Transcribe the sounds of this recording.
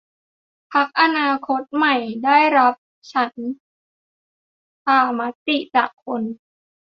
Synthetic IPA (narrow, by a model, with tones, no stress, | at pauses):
pʰa˦˥k̚ʔa˧naː˧kʰo˦˥t̪̚ma˨˩jdaː˥˩jɾa˦˥p̚ | t͡ɕʰa˦˥n | saː˧˩ma˦˥t̪i˨˩t͡ɕaː˨˩kkʰːo˧n